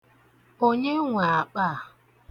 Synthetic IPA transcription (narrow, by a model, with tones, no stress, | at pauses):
o˦ɲe˦ŋʷa˨a˨k͡pa˦˨